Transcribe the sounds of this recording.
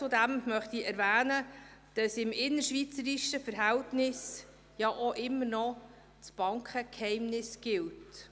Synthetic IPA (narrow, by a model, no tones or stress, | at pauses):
t͡sʊdæmmœχtiɛɾvæːnəd̥ɑsɪmɪnːəɾʃvit͡səɾiʃəfəɾɦæltnɪs | jɑʔoʔɪmːəɾnɔ | t͡sb̥ɑŋkχəkhɛɪmnɪsɡ̥ɪlt